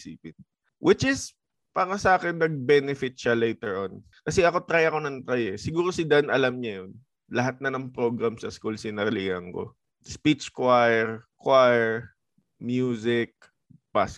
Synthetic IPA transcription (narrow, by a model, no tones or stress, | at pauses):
sḭːpɪn | wʔɪt͡ʃɪs | paːɾɐsɐʔaːkɪnːɐɡ̚bɛnɪfɪt̪̚ʃalejt̪ɛɹʔon | kɐsɛʔɐko̞t̪ɾajɐko̞nɐnt̪ɾajɛsɪɡuːɾo̞sɪd̪aʔnɐlamɲɐjon | lɐɦat̪̚nɐnɐŋpɾo̞ɡɾamsɐskulsɪnɐɾɪliːhɐŋko̰ | spit͡ʃkwajɛɹkwajɛɹ | mjuːsɪk̚ | pas